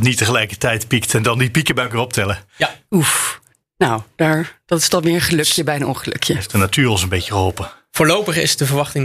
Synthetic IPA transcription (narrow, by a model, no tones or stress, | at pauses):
tnitəχəlɛjkətɛjtpiktɛndɑndipikəbœkɪrɔp̚tɛləuf | nawd̥aːɹd̥ɑtɪ̥stɑnmɪːɹəχəlɵkjəbɛjənɔ̰nχəlɵ̰kjəftdənatyːrɔsənbejcəχəɦɔlˠpəvʊːɹlowpəχɪ̰sdəvəɹʋɑχtɪŋ